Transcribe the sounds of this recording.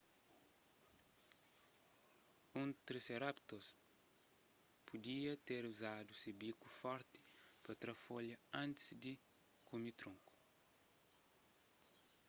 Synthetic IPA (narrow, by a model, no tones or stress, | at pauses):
ũnt̪ɾeseɾapt̪os | pud̪iɐt̪eɾuzad̪usibikufɔɾt̪i̥pɐt̪ɾɐfoʎɐɐ̃nt̪ɪsd̪i | kumit̪ɾõŋku̥